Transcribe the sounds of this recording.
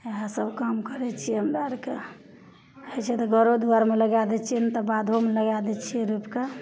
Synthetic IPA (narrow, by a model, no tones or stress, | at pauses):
eɦãsəbkamkəɾɛt͡ʃʰijɛɦəmɾaɾke | ət͡ʃʰɛt̪ɔɡəɾod̪uaɾmeləɡad̪ɛt͡ʃʰint̪ɔbad̪ʱomeləɡad̪ɛt͡ʃʰieɾupke